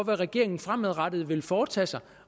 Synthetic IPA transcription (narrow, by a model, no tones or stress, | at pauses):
ʋæʁɛɡ̥e̝ɐ̰e̝ŋn̩fʁameðˠʁɑd̥ð̞̩ˠʋe̝lfɒːt͡sʰɛ̰ːsɑ̈ɪ